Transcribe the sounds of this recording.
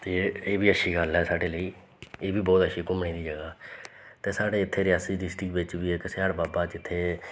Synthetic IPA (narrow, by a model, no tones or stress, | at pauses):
t̪eːeːbiːəʃiːɡəlɦɛːsaːɖeːləiː | eːbiːbɔːt̪əʃiːkʊmɳiːd̪iːd͡ʒəɡaːt̪eːsaːɖeːɪt̪ʰːeːɾɪjaːsiːd̪isʈɪkbɪt͡ʃʋiːeːkəseːaɽbaːbaːt͡ʃɪt̪ʰːeː